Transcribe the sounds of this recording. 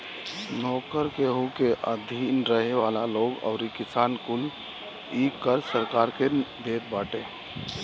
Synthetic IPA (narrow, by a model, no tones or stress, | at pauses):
nɔːkəɾkeɦukeʔəd̪ʱinɾəɦeʋalaloːɡə̰ʊɾikɪsaːnkʊl | ikːəɾsəɾkaːɾked̪eːt̪̚baːʈe